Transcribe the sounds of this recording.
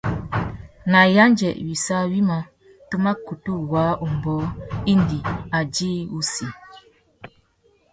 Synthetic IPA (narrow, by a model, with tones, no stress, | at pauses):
na˨ja˦nd͡ʒɛ̰˨ʔwi˨sa˦wi˦ma˨ | to˦ma˦ku˨tu˦˨wa˨˦u˨m˨bɔː˨˦i˦ndi˨a˨d͡ʒiː˦u˦si˨